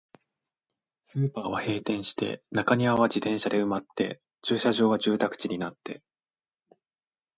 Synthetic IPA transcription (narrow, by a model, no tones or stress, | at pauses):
sɨːpaːβahe̞ːt̪ẽ̞ɰ̃ɕi̥t̪e̞̰nakaɲ̟iaβ̞ad͡ʑit̪ẽ̞ɰ̃ɕad̪e̞ɯ̟mat̪ːe̞̰ | t͡ɕɨːɕaʑo̞ːβaʑɨːt̪akɯ̟̥t͡ɕiɲ̟inat̪ːe̞̰